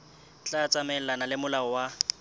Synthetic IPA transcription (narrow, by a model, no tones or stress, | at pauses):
t͡ɬʼat͡sʼamɛlanalɪmʊlaɔwa